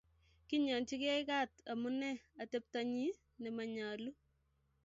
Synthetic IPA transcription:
ki˦ɲɔ˨nt͡ʃi˦kɛ˦ɪka˦ta˨mu˦nɛ˦a˨te˦p̚ta˨ɲi˦ | nɛ˨ma˨ɲaː˨lu˦

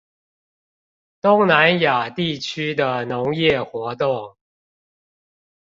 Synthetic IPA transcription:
t̪ʊ˦ŋna˧˦nja˨˩t̪i˥˨t͡ɕʰy˥d̪ə˨nʊ˨˦ŋjɛ˥˨xwɔ˨˧˥t̪o˥˨˩ŋ

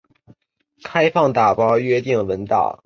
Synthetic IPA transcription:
kʰa˥ɪfɑ˥˩ŋt̪a˨˩pɑ˥ʊɥɛ˥t̪i˥˩ŋwə˧˥nt̪ɑ̰˥˩ʊ

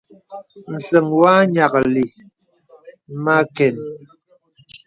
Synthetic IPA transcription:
n̩˨sɛ˨ŋwa˦ɲa˨kli˨ | ma˦kɛ˨n

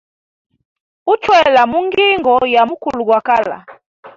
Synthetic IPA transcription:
u˦t͡ʃwɛ˦la˨mu˦ŋɡi˦ŋɡɔ˨ja˨mu˦ku˨lu˨ɡwa˨ka˦la̰˨

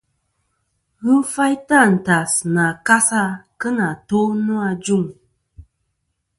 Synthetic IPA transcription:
ɣ̩˦fa˦jta˦˨n̩˨ta˨sɨ˨na˨ka˦sa˦kɨ˦na˨to˦nu˦a˧d͡ʒu˦˨ŋ

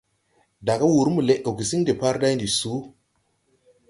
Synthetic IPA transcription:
da˨ka˦wu˨ɾmu˨le˨ʔo˨ki˨si˦ŋde˨pa˦ɾda˦ndi˨su˨˦

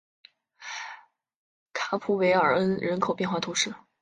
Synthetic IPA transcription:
kʰa˧˥pʰu˧˥we˧˥ɪə˞˨˩ə˥nɻə˧˥nkʰo˨˩ʊpjɛ˥˧nxwa˥˩t̪ʰu˧˥ʂɻ̩˥˩

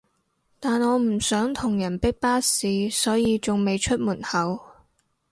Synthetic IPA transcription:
t̪aː˨nɔː˨˧m̩˨˩sœː˨˥ŋt̪ʰʊ˨˩ŋjɐ˨˩npɪ˥k̚paː˥siː˨˧sɔː˨˥jiː˧t͡sʊ˨ŋme˨jt͡ʃʰɵ˥t̚muː˨˩nhɐ˨˧w

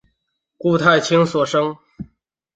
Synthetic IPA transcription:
ku˥˧t̪ʰa˥˩ɪt͡ɕʰi˥ŋswɔ˨˩ʂɤ˥ŋ

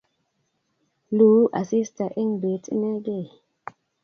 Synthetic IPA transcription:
lu˨˦ʔa̰˨si˦sta˨ʔi˦ŋbe˨˦tḭ˦na˦ɡe˦˨

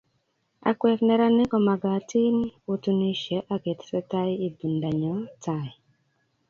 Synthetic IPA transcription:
a̰˨kwɛ˨knɛ˦ɾa˦nɪ˦kɔ˨ma˨ɡa˨ti˦n˦u˦tu˦ni˦ʃɛ˨˦ʔa˦ɡe˨tsɛ˦ta˦i˦i˦bu˨nda˨ɲɔ˨˦ta˨i˨

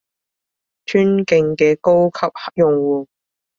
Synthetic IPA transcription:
t̪ʰyː˥nkɪ˧ŋkɛː˧ko˥wkʰɐ˨p̚hɐ˨˥k̚jʊ˨ŋwuː˨˩

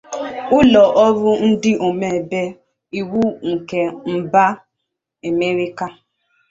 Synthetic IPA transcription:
ʊ˦lɔ˨ʔɔ˦ɾʊ˦n̩˦dɪ˦ʔo˨me˨be˦ | i˨wu˦ŋ̩˨ke˨m̩˨ba˦ | e˨me˦ɾi˦ka˦

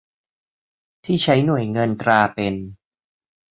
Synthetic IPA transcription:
t̪ʰiː˥˩t͡ɕʰa˦˥jnu˨˩əjŋɤ˧nt̪ɾaː˧pe˧n

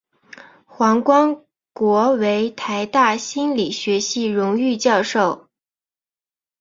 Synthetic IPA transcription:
xwɑ˧˥ŋkwɑ˥ŋ | kwɔ˧˥we˧˥ɪt̪ʰa˧˥ɪt̪a˥˩ɕi˥nli˨˩ɕɥɛ˧˥ɕi˥˩ɻʊ˧˥ŋy˥˧t͡ɕjɑ˥˧ʊʂo˥˩ʊ

